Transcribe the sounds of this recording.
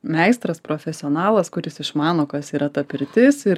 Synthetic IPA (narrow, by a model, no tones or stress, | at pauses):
mʲɛɪst̪ɾɐspɾoːfʲɛsʲɪɔːnɑːlˠɐskʊɾʲɪsɪʃmɑːnoːkɐsiːɾɐt̪ɐpʲɪɾʲt̪ʲɪsɪɾ